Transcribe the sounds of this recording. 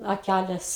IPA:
ɐˈkʲælʲeːs

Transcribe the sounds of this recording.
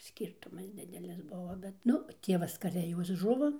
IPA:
ˈsʲkʲiːrtʊmɐs ˈdʲɪdʲɛlʲɪs ˈbʊʋoː bʲɛt ˈnʊ ˈtʲiɛʋɐs kɐˈrʲɛ ˈjoːs ˈʒʊʋoː

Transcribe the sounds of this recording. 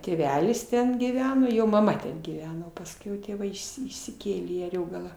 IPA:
tʲeːˈʋʲæːlʲɪs ˈtʲɛn ɡʲiːˈʋʲæːnoː ˈjoː mɐˈmɐ tʲɛn ɡʲiːˈʋʲæːnoː pɐsʲˈkʲɛʊ tʲeːˈʋɐɪ ɪʃʲˈsʲɪ ɪʃʲsʲɪˈkʲeːlʲeː iː ɐˈrʲoːɡɐlˠɑː

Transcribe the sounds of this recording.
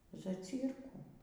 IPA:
zɐˈt͡sʲiːrkuː

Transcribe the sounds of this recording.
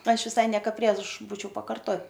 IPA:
ˈɐʃ ʋʲɪˈsɐɪ ˈnʲiɛkoː ˈpʲrʲiɛʃ ˈbuːt͡ʃʲɛʊ pɐkɐrˈtoː

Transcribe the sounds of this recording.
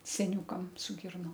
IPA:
sʲɛˈnʲuːkɐm sʊ ˈɡʲɪrnoːm

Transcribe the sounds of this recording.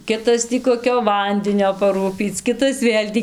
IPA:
ˈkʲɪtɐs tʲiː koːˈkʲoː ˈʋɐnʲdʲɪnʲoː pɐˈruːpʲiːt͡s ˈkʲɪtɐs ˈʋʲeːlʲ tʲiː

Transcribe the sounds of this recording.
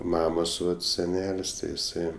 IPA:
ˈmɑːmoːs ˈʋɐt sʲɛˈnʲɛlʲsʲ ˈtʲɪ ɪˈsɐɪ

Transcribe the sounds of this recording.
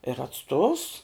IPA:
ɪr ɐtˈstoːws

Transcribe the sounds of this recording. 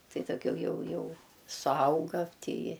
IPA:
ˈtɐɪ dɐʊˈɡʲɛʊ ˈjɛʊ ˈjɛʊ sʊˈɐʊɡɐ ˈtʲiːɪ

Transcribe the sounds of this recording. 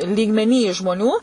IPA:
lʲiːɡmʲɛˈnʲiː ʒmoːˈnʲuː

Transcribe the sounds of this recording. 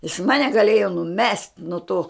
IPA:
jɪs ˈmɑːnʲɛ ɡɐˈlʲeːjoː nʊˈmʲɛsʲtʲ nuɔ toː

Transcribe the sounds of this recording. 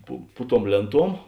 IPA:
pʊ ˈpʊ ˌtuɔm ˈlʲeːnˌtuɔm

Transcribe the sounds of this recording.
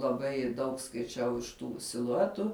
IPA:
lˠɐˈbɐɪ dɐʊk skɐɪˈt͡ʃʲɛʊ ɪʃ ˈtuː sʲɪlˠʊˈæːtʊ

